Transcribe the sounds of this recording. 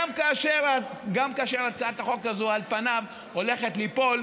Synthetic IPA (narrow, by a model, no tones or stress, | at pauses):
mkaːʃeʁaɡamkaaʃe̞ʁat͡saat̪aχo̞kazoalpanav | o̞le̞χet̪lipo̞l